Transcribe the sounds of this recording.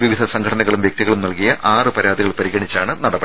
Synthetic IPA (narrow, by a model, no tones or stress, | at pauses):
ʋiʋid̪ʱɐsɐŋɡʰʱɐʈɐnɐɣɐɭumʋjek̚t̪iɣɐɭumnɐlkijɐʔaːrɨpɐɾaːd̪ʱiɣɐɭpɐɾiɣɐɳit͡ɕːaːɳɨnɐɽɐpːɐ